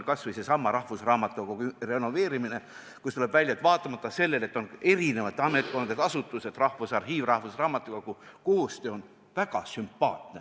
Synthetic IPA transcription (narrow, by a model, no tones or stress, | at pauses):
lkɑsvɨjsesɑmːɑɾɑhvusrɑːmɑt̪ːˑukokyre̞no̞ve̞ːɾimine̞ | kust̪ule̞b̥vælʲjɑt̪vɑːt̪ːˑɑmɑt̪ˑːɑse̞lːe̞le̞t̪ːˑo̞ne̞ɾine̞vɑt̪eɑme̞t̪̚ˑko̞nd̪et̪ɑsut̪ːˑuse̞d̪̥rɑhvusɑrɦiːvrɑhvusrɑːmɑt̪ːˑuɡ̥ɑkuko̞hst̪io̞n | væɡ̥ɑ̰sympːɑːt̪ne